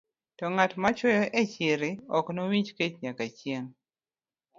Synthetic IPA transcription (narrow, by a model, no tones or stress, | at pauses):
tɔŋatmat͡ʃwɔjɔʔet͡ʃɪɾɪɔknowit͡ʃket͡ʃɲakat͡ʃjeŋ